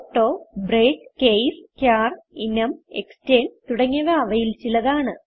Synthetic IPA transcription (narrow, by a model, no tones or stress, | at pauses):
ʈːoːbreːʈkejskʲjaːrinɐmeksteːnt̪uɽɐŋːɐʋɐɐʋɐjilt͡ɕilɐðaːɳɨ